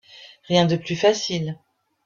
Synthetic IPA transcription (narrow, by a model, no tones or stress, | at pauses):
ʁjɛ̃d̪əplyfasil